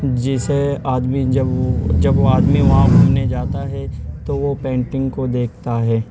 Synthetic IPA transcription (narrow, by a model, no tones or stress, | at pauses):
d͡ʒɪseaːd̪mid͡ʒɐbd͡ʒɐbaːd̪miʋɐɦãbolned͡ʒaːt̪aɦɛt̪oʋopẽːɳʈɪ̃ŋɡkod̪eːkʰt̪aɦɛː